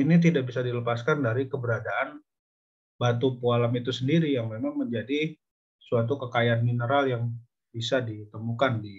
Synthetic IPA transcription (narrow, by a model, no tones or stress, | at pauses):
init̪̬idaʔbisadiləpaskandaɾikəbəɾadaʔan | bat̪̬upualamit̪usəndiɾijaŋmemaŋməɲd͡ʒadi | suat̪̬ukəkajaanminəɾaljaŋ | b̥isadit̪əmukandi